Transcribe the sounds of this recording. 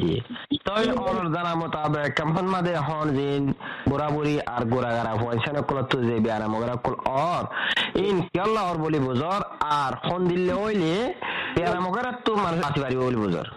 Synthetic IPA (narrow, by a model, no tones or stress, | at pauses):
d͡ʒḭt̪ɔjɔɾɔɾzanamɔt̪abɛkːɛmpʰɔnmad̪ɛɦɔnzinbuɾabuɾiʔaɾɡuɾaɡaɾabansanɔkːɔlɔt̪ːuzebianamɔɡɔɾakːɔlɔɾinkiɔlːaɔɾbolibɔzɔɾaɾhɔnd̪ilːeojleb̥ianamɔɡɔɾat̪ːumanuʃɔsibaɾibɔbolibɔzɔ̰ɾ